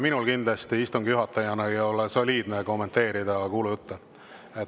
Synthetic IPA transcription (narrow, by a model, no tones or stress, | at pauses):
minulkind̪lɑst̪iist̪uŋɡ̥juɦɑt̪ːˑɑjɑnɑejo̞leso̞lʲiːd̪̥neko̞mːe̞nt̪ˑe̞ːɾid̪ɑkuːlujt̪ːˑɑ | et̪